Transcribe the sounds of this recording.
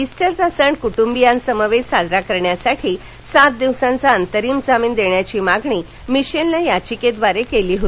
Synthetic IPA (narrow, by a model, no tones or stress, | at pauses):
isʈəɾd͡zasəɳkuʈumbijãnsəmaʋed͡ʑsad͡zɾakəɾɳjasaʈʰiː | sat̪̚d̪iʋsãnt͡saənt̪əɾiːmd͡zamiːnd̪eɳjat͡ɕiːmaɡɳiː | miɕenlajat͡ɕiked̪ʋaɾekeliːɦot̪i